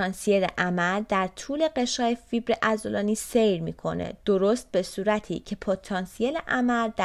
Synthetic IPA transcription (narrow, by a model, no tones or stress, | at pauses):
ɑnsije̞leʔæmæld̪æɾt̪ʰuːle̞ɢe̞ʃɒːjefiːbɾeʔæzolɒːniːse̞jɾmḭkʰo̞̰nḛd̪̥o̞ɾost̪̚be̞suːɾæt̪ʰḭːcʰe̞pʰot̪ʰɒnsieleʔæmæld̪æ